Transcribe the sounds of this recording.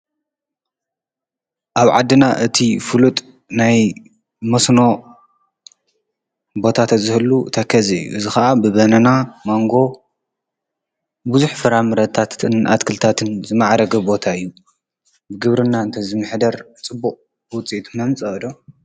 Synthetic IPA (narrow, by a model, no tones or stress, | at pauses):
ʔaβʕad̪ːɨnaʔɨt̪ʰifɨlut̪ʼ | naj | mɐsno̞ | bo̞t̪ʰat̪ʰɐzɨhɨlːut̪ʰɐkʰɐzijːṵʔɨzixɐʔabɨβɐnɐnamoŋɡo̞ | buzuħfɨɾamɨɾɐt̪ʰat̪ɨnʔa̰t̪kʰɨlt̪ʰat̪ʰɨnzɨmaʕɾɐɡɐbo̞t̪ʰaɨjːu | bɨɡɨβɾɨnːaɨnt̪ʰɐzɨmɨħd̪ɐɾ | t͡sʼɨbːuqʼ | bɨwʊt͡sʼiʔt̪ʰunamt͡sʼɐɨd̪o